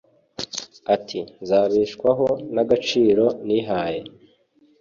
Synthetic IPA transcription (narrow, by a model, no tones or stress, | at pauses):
atʰinzaːβiːʃkwaɦo̞naɡat͡ʃiːɾo̞niɦaːje̞